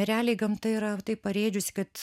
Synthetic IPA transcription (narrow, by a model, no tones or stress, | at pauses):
ɛɾʲæːlʲeɪɡɐmt̪ɐɪɾɐt̪ɐɪppɐɾʲeːd͡ʒʲʊsʲɪ̥kɐt̪